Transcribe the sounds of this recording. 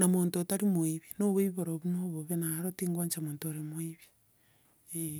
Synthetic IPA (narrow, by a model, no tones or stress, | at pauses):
namoːntotaɾimwiβinoβeβiβoɾoβunoβoβenaɾotiːŋɡwaɲt͡ʃamoːntoɾemwiβi | e